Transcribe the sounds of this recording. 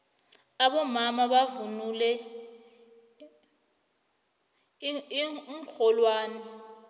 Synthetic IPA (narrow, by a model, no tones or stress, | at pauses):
aɓɔmamaɓavunulɛ | um̩xʰɔlwaːnɛ